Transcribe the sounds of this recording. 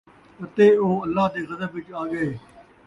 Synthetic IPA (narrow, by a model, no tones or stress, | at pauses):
ɐt̪eːoːɐlːaːd̪eːɣɐzəbʋɪt͡ʃaːɡɐeː